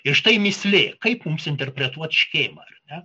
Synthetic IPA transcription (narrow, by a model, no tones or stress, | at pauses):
ɪrʃt̪ɐɪmʲɪsʲlʲeːkɐɪpmumsɪnʲt̪ʲɛrʲpʲɾʲɛt̪uɔt̪ʃʲxʲeːmɐɐrnʲɛ